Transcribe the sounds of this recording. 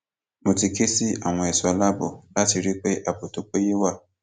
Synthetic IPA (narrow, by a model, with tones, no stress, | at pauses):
mũ˨ti˨ke˦si˦a˨ŋʷɔ̃˨e˨sa˨la˦bo˨la˦ti˨ɾi˦k͡pe˦ʔa˨bo˨to˨˦k͡pe˦je˦wa˦˨